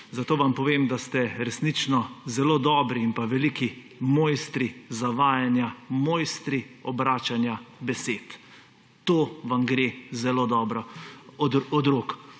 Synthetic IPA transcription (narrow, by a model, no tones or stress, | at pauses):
zat̪oːʋampɔʋeːmd̪ast̪ɛɾɛsnit͡ʃnɔzɛloːd̪ɔːbɾiːnpaʋɛliki | moːjst̪ɾizaʋaːjanjamoːjst̪ɾiɔbɾaːt͡ʃanjabɛseːt̪ | t̪oːʋamɡɾezɛloːd̪ɔːbɾɔɔd̪ɔd̪ɾoːk